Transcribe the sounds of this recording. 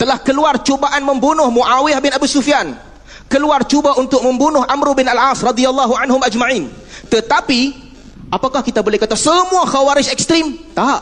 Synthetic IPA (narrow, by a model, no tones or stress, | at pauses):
t̪əlahkəluart͡ʃobaʔanmə̃mbunʊhmuʔawiahbɪnabusufijan | kəluart͡ʃubaunt̪ʊk̚mə̃mbunʊhʔamɾubɪnalʕasrɑd̪ialːaɦuʕanɦʊmad͡ʒmãʕĩn | t̪ət̪api | ʔapakahkit̪abolɛhkat̪asəmũaxawaɾɪd͡ʒɛk̚st̪ɾimt̪aʔ